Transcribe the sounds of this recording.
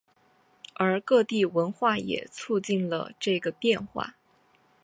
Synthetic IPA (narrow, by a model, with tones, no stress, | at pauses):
ə˞˧˥kɤ˥˧t̪i˥˩wə˧˥nxwa˥˩jɛ̰˨˩t͡sʰu˥˧t͡ɕi˥˩nlə̰˩ʈ͡ʂɤ˥˩ɡə˩pjɛ˥˧nxwa̰˥˩